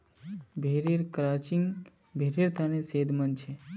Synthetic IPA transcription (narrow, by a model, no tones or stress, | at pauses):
bʱeɾeɾkɾat͡ʃiŋɡ | bʱeɾiɾt̪ʰənesed̪ʱmənt͡ʃʰe